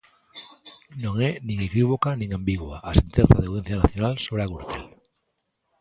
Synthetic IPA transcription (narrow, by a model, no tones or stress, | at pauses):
nõŋɛnĩŋekiβ̞okanĩŋambiɣwaʔasẽnt̪enθaðawðen̟θjanaθjonalsoβɾeaɣuɾt̪ʰel